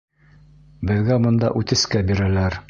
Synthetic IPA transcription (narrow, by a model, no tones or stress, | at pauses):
bɘ̆ðɡæbŏnd̪ɑ̰ʔʉt̪ɘ̆skæbiɾælæɾ